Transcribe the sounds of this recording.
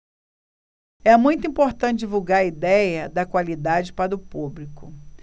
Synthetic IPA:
ɛmũj̃t̪ʊĩpoɾt̪ɐ̃t͡ʃɪd͡ʒivuwɡaɾɐid̪ɛjɐd̪ɐkwalid̪ad͡ʒɪpaɾʊpublikʊ

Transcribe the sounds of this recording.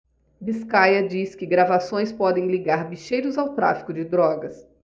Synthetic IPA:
biskajɐd͡ʒiskɪɡɾavasõj̃spɔd̪ẽj̃liɡaɾbiʃejɾʊzawt̪ɾa̰fi̥kʊd͡ʒɪd̪ɾɔɡɐs

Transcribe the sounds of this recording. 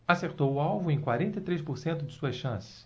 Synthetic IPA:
aseɾt̪owʊawvʊ̃ẽj̃kwaɾẽnt̪ejt̪ɾespoɾsẽnt̪ʊd͡ʒɪsuɐsʃɐ̃sɪ̥s

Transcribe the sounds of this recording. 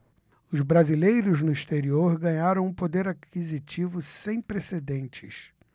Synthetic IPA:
ʊzbɾazilejɾʊznʊiʃt̪eɾioɾɡɐ̃ɲaɾɐ̃w̃ũpod̪eɾakizit͡ʃivʊsẽj̃pɾesed̪ẽnt͡ʃɪs

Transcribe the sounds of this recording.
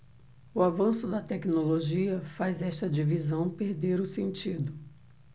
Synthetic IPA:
ʊavɐ̃sʊd̪ɐt̪ɛknoloʒiɐfajzɛʃt̪ɐd͡ʒivizɐ̃w̃peɾd̪eɾʊsẽnt͡ʃid̪ʊ

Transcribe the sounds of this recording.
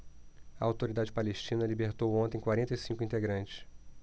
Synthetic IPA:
ɐawt̪oɾid̪ad͡ʒɪpaleʃt͡ʃĩnɐlibeɾt̪owõnt̪ẽj̃kwaɾẽnt̪ɐjsĩŋkʊĩnt̪eɡɾɐ̃nt͡ʃɪ̥s

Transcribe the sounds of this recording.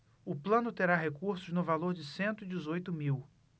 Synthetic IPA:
ʊplɐ̃nʊt̪eɾaɦekuɾsʊznʊvaloɾd͡ʒɪsẽnt̪ʊid͡ʒɪzojt̪ʊmiw

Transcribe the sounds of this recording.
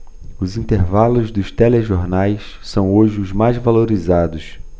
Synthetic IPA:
ʊzĩnt̪eɾvalʊzd̪ʊʃt̪ɛleʒoɾnajs | sɐ̃w̃oʒɪʊzmajzvaloɾizad̪ʊs

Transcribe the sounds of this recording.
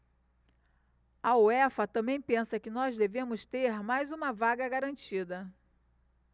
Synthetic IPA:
ɐoɛfɐt̪ɐ̃mbẽj̃pẽsɐkɪnɔzd̪evẽmʊst̪eɾmajzũmɐvaɡɐɡaɾɐ̃nt͡ʃid̪ɐ

